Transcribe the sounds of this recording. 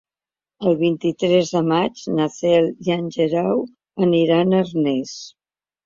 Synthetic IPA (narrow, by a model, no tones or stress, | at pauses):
əlˠβint̪it̪ɾɛzðəmad͡ʒnəθɛlˠianʲʒəɾaw | əniɾanərnɛs